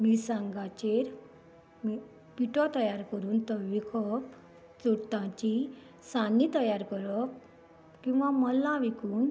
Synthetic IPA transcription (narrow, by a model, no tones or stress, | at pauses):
miːsãŋɡat͡ɕeɾ | mi | piʈɔt̪əjaɾkəɾuːnt̪əʋikʰɔp | t͡suɽt̪ãt͡ɕi | sanit̪əjaɾkəɾɔ | kĩw̃ʋaməlãʋikuːn